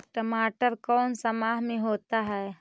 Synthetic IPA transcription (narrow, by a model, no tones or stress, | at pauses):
ʈəmaːʈəɾkɔːnsəmaːɦmẽɦoːt̪aɦɛː